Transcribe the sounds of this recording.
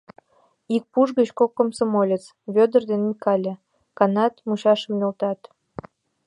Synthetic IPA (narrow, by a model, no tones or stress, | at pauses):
ik̚puʒɣət͡ɕkokːomsomolʲet͡s | βød̪ərd̪enmʲikɑlʲe | kɑnɑt̪muɕɑʃə̆mnʲolt̪ɑt̪